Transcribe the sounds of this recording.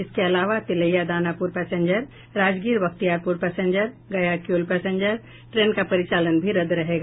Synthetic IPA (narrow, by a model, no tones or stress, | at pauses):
ɪskeɐlaːʋat̪ɪləjad̪aːnapuɾpɛːsẽɲd͡ʒəɾ | ɾaːd͡ʒɡiːɾbɐkt̪ijaːɾpuɾpɛːsẽɲd͡ʒəɾ | ɡɐjakjuːlpɛːsẽɲd͡ʒəɾ | ʈɾeːnkapɐɾɪt͡ʃaːlənbʱiɾɐd̪ɾɐɦeːɡaː